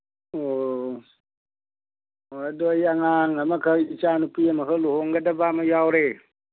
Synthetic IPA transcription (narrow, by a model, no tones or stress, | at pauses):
o | adɔjaŋaŋamakʰəit͡ʃanupiemakʰəluhoŋɡadabamajawɾe